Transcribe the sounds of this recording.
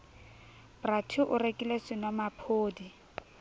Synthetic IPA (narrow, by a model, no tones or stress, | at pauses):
bratʰuʔʊɾekʼilesɪnɔmapʰoːdi